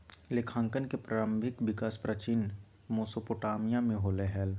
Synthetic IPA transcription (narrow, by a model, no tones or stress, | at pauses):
lekʰãːŋkənkepɾʔaːlə̃mbʱɪkʋɪkaːspɾət͡ʃɪn | moːsopoʈaːmijamẽɦoːleɦɛl